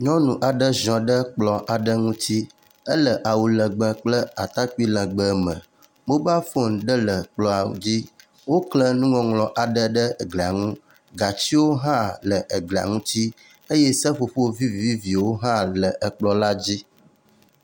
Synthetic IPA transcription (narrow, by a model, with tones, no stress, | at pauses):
ɲɔ̃˦nũ˨ʔa˨ɖə˦zɔ̃˨ɖə˦k͡plɔ˨ʔa˨ɖə˦ŋũ˦t̪i˦ | ə˦lə˨ʔa˨wu˨lə̃˨ɡ͡bə̃˨k͡plə˦a˨t̪a˦k͡pi˦lə̃˨ɡ͡bə˨mə̰̃˨ | ɡ͡bo˦ba˦fo˦˨n˨ɖə˦lə˨k͡plɔ˨a˨wṵ˨d͡ʑi˦ | wo˦klə˦nũ˦ŋɔ̃˨ŋlɔ̃˨ʔa˨ɖə˦ɖə˦˨ɡle˨a̰˨ŋũ˦ | ɡa˨t͡ɕi˦wo˦ɦã˦lə˨ʔə˨ɡlɛ˨a̰˨ŋũ˦t̪i˦ | e˦je˦sə˦ɸo˨ɸo˦vi˦vi˨vi˦vi˨wo˦ɦã˦lə˨ʔə˨k͡plɔ˨la˦d͡ʑi˦